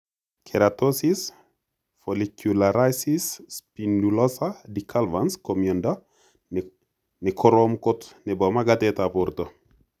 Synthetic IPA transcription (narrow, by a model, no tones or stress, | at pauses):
kʰeɾat̪osis | folikjulaɾajsisːpindulosadikʰalvanskomjonda | nekʰoɾomkot̪nebomaɡat̪et̪apuɾt̪o